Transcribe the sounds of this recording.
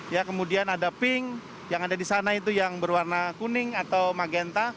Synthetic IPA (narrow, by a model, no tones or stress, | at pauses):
jakəmudianadapɪŋ | jaŋadadisanait̪ujaŋbərwarnakunɪŋat̪awmaɡɛnt̪a